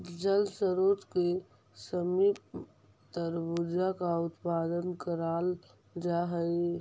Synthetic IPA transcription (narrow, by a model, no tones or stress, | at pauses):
d͡ʒəlsəɾoːt̪ke | səmiːp | t̪əɾbʊd͡ʒakaʊt̪paːd̪ənkəɾaːl | d͡ʒaɦəe